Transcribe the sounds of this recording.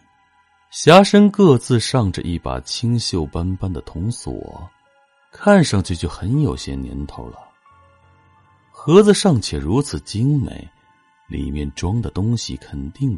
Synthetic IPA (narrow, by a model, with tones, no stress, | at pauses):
ɕja˥ʂə˥nkɤ˥˧t͡sɹ̩˥˧ʂɑ˥˩ŋʈ͡ʂə̰˧ʔi˥˩pa̰˨˩t͡ɕʰi˥ŋɕjo˥˩ʊpa˥npa˥nd̪ə˨t̪ʰʊ˧˥ŋswɔ̰˨˩˦ | kʰa˥˩nʂɑ˥˧ŋt͡ɕʰy˥˧˩t͡ɕjo˥˩ʊxə˧˥njo˨˩ʊɕjɛ̰˥njɛ̰˧˥nt̪ʰo˥ʊlə̰˨ | xɤ˧˥d͡zɹ̩˧ʂɑ˥˩ŋt͡ɕʰjɛ˨˩ɻu˧˥t͡sʰɹ̩˨˩t͡ɕi˥ŋmḛ˧˥ɪ | lḭ˨˩mjɛ˥˩nʈ͡ʂwɑ˥ŋd̪ə˨t̪ʊ˥ŋɕḭ˨kʰə˨˩nt̪i˥˩ŋ